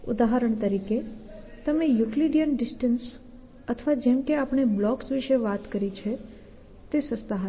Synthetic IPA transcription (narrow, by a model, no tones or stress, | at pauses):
ṵd̪aɦəɾəɳ̃t̪əɾiket̪əmejukliɖijənɖɪsʈəns | ət̪ʰʋad͡ʒɛmkeapɳ̃eblɔksʋiʃeʋat̪kəɾit͡ʃʰe | t̪esəst̪aɦə